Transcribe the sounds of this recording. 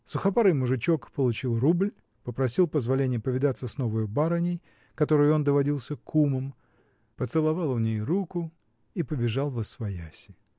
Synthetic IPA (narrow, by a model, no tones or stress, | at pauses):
sʊxɐpaɾɨjmʊʐɨt͡ɕo̞kpəlˠʊt͡ɕilˠrublʲ | pəpɾɐsʲilˠpəzvɐlʲenʲɪjəpəvʲɪd̪at̪sːəsno̞vəjʊbaɾənʲɪj | kɐt̪o̞ɾɨjo̞nd̪əvɐdʲilˠsʲəkʰuməm | pət̪sɨlˠɐvɑlˠʊnʲejɾukʊ | ipəbʲɪʐɑlˠvəsvɐjasʲɪ